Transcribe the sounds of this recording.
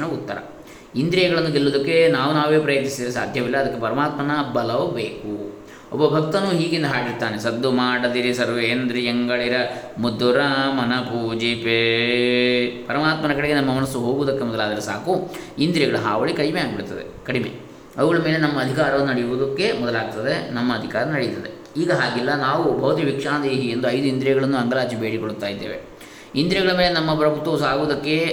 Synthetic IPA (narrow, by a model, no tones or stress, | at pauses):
ɐnɐut̪ːɐɾɐ̰ | ind̪ɾijɐɡɐɭɐnd̪uɡelːuːd̪ɐkːe̞naːʋunaːʋeːpɾɐjɐt̪nisid̪iːɾisaːd̪ʱjɐʋilːɐːd̪ɐkːepɐɾɐmaːt̪mɐnɐbɐlɐʋɐbeːku | ɔ̰bːɐbʱɐk̚t̪ɐnuːɦiːɡind̪ɐɦaːɡiɾt̪aːnesɐd̪ːumaːɽɐd̪iɾisɐɾʋeeːnd̪ɾieŋɡɐɭiɾɐmud̪ːuɾɐmɐnɐpuːd͡ʒipe | pɐɾɐmaːt̪mɐnɐkɐɽeɡenɐmːɐmɐnɐsːuɦo̞ːɡuːd̪ɐkːemɔd̪ɐlaːd̪ɐɾesaːku | ind̪iɾɐɡɐɭɐɦaːʋɐɭikɐɽimeaːɡbiɽut̪ːɐd̪ḛkɐɽimḛ | ɐʋɐɡɐɭɐme̞ːlenɐmːɐːd̪ʱikaːɾɐʋɐnːunɐɽijuʋud̪ɐkːe̞mɔd̪ɐlaːɡ̚t̪ɐd̪e̞nɐmːɐːd̪ʱikaːɾɐnɐɽejit̪ːɐd̪e | iːɡɐɦaːɡilːɐnaːʋubʱɐʋɐt̪iɐʋikʂaːnɐd̪eːɦiend̪uɐjd̪uind̪ɾɛɡɐɭɐnːuɐŋɡɐlaːt͡ʃibeːɽikoɽut̪ːaːjid̪ːeːʋe̞̰ | ind̪ɾɛɡɐɭɐmeːlenɐmːɐpɾɐbʱut̪ːʋɐʋsaːɡuːd̪ɐkːe̞